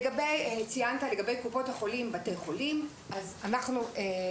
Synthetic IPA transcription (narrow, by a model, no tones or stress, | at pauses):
ɡabejet͡sijantale̞ɡabe̞jkupo̞thaχo̞limbatejχo̞lim | ʔazanaχnuʔe